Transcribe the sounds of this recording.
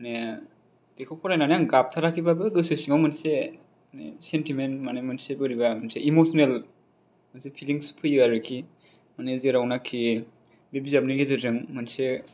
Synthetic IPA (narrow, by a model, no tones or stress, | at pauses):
ne | d̥ekʰɔk̚pʰɔɾajnanjaŋɡap̚tʰaɾakʰibabɯɡɯsɯsiŋawmɯnse | nḛsentimenmanemɯnsebɯɾibamanseʔimosɔnel | mansepʰiliŋsu̥pʰɯjɯaɾɯkʰi | manezeɾawnakʰi | bebizab̚niɡezɯzɯŋmɯnse